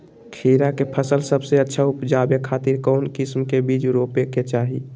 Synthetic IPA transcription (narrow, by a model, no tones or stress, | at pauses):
kʰiːɾakepʰəsəlsəbseətːʃʰaupd͡ʒaːbekʰaːt̪ɪɾkɔːnkɪsmkebiːd͡ʒɾoːpeket͡ʃaːɦi